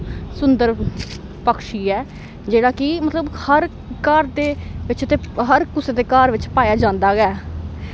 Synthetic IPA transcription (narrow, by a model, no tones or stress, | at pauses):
sʊnd̪əɾ | pəkʃiːɛː | d͡ʒeːɽaːkɪmət̪ləbhəɾ | kaːɾd̪eːʋɪt͡ʃt̪eːɦəɾkʊseːd̪eːkaːɾʋɪt͡ʃpaːjaːd͡ʒãːnd̪aːɡɛː